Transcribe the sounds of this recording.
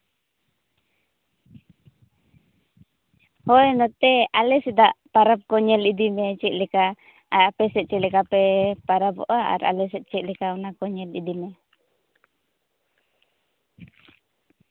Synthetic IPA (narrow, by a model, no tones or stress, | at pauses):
hojnɔt̪ɛalɛsidaʔpaɾap̚kɔɲɛlidimet͡ʃiʔlika | aapɛsɛt͡ʃilɛkapɛpaɾabo̰ʔaa̰ɾa̰lɛs̬ɛʔt͡ʃiʔlikaunakɔɲɛlḭdimɛ